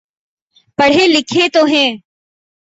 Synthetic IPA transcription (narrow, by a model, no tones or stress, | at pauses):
pəɽ̤eːlɪkʰeːt̪oːɦɛ̃ː